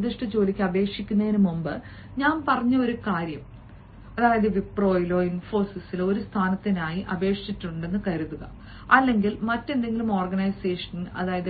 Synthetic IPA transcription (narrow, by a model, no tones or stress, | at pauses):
d̪iʂʈɐt͡ɕo̞ːlikʲːɐbe̞ːkʂikʲːunːɐðinɨmumbɨ | ɲaːnpɐrɐɲːɐo̞ɾukaːɾjɐm | ɐðaːjɐðɨʋipro̞ːjilo̞ːinfo̞ːsisiloɾust̪ʰaːnɐt̪ːinaːjiʔɐbe̞ːkʂitːuɳɖe̞nːɨkɐɾuðuɣɐ̰ | ɐlːe̞ŋɡilmɐtːe̞nd̪e̞ŋɡilumo̞ːrɡɐnɐjse̞ːʂɐnɐ̰ðaːjɐðɨ